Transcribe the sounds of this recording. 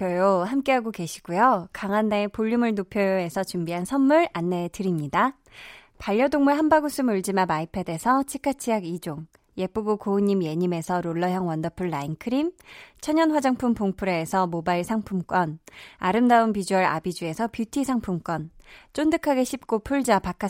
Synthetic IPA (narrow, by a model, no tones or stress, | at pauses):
kʌjohamk͈e̞ɦaɡokeɕʰi̥ɡ̥ujokaŋanːepoʎːumɯɭnopʰjoe̞sʰʌt͡ɕumbiɦansʰʌnːuɾanːe̞tɯɾimɲida | paʎːʌdoŋmuɭɦanbaɡus͈ʰɯmuɭd͡ʑimamaipʰe̞de̞sʰʌt͡ɕʰikʰat͡ɕʰijaɡid͡ʑoŋ | je̞p͈uɡokoːɲːimje̞ɲime̞sʰʌɾoɭːʌjʌŋwʌndʌpʰɯɭːainkʰɯɾimt͡ɕʰʌɲʌnɸwad͡ʑaŋpʰumpoŋpʰɯɾeːsʰʌmobaiɭsʰaŋpʰumk͈wʌnaɾɯmdaɯnpid͡ʑuʌɾa̰bid͡ʑue̞sʰʌpjutʰisʰaŋpʰumk͈wʌnt͡ɕ͈ondɯkʰaɡe̞ɕʰip̚k͈opʰuɭd͡ʑapak͈ʰa